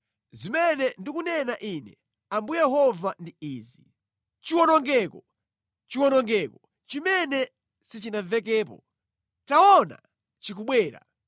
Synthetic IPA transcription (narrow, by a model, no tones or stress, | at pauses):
zimɛnɛndikunɛnaʔinɛ̰ | ambujɛɦɔvandiiːzi | t͡ʃiwɔnɔŋɡɛːkɔ | t͡ʃiwɔnɔŋɡɛkɔ | t͡ʃimɛnɛ | sit͡ʃinavɛk̬ɛːpɔ̰ | taɔna̰ | t͡ʃik̬uɓwɛːɾa̰